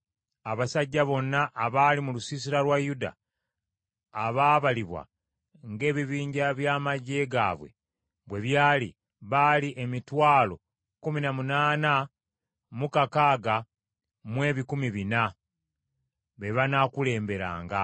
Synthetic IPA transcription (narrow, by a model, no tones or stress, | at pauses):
aβasaɟːaβo̞nːaʔːβalimulusisiɾalwajuda̰ | βaːβaliβwa̰ | ŋɡe̞ːβiβiːɲɟaβjamaɟːe̞ɡa̰βwe̞̰ | βwe̞βjaːlḭ | βaliʔemitwaːlo̞̰ | kuminamunaːna | mukakaːɡa | mwe̞ːβikumiβina | βe̞βanakule̞ːmbe̞ɾa̰ːŋɡa